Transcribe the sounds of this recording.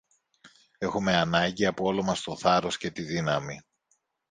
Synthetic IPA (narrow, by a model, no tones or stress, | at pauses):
e̞xume̞ɐnɐɲɟiɐpoolo̞mɐst̪o̞θɐɾo̞sce̞t̪iðinɐmi